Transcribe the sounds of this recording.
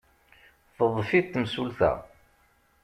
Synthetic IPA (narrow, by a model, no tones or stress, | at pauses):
θəðˤfit̪ːmsulθæ̰